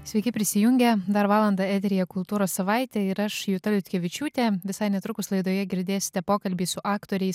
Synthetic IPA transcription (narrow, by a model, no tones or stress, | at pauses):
sʲʋʲɛɪkʲɪpʲɾʲɪsʲɪjʊŋʲɡʲɛd̪ɐɾʋɑːlˠɐnd̪ɑɛt̪ʲɾʲɪjɛkʊlˠt̪uːɾoːssɐʋɑˑɪt̪ʲɛɪɾɐʃjʊt̪ɐlʲʊt̪ʲkʲɛʋʲɪt͡ʃʲuːt̪ʲeʋʲɪsɐɪnʲɛt̪ɾʊkʊslˠɐɪd̪oːjɛɡʲɪɾʲd̪ʲeːsʲɪ̥t̪ʲɛpoːkɐlʲbʲiːsʊʔɑːkt̪oːɾʲɛɪs